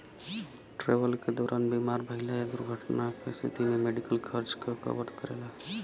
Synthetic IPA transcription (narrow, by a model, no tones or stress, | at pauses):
ʈɾeʋəlked̪ɔːɾʔanbimaɾbʱəɦɪlaed̪uɾɡʱəʈnakest̪ʰḭt̪ʰimemeɖikəlkʰəɾd͡ʒkekə̰ʋəɾɖ̪kəɾḛla